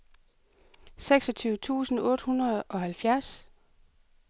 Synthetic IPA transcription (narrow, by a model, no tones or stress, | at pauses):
seɡ̥sɒ̽t͡sʰyːʊt͡sʰṵːsn̩ɔ̽ːd̥hunɐðˠʔɒ̽ɦælfjæɐs